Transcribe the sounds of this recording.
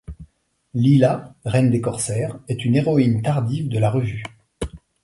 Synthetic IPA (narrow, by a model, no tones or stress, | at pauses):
lilaʁɛnd̪ekɔʁsɛːʁɛt̪yneʁɔint̪aʁd̪ivd̪əlaʁəvy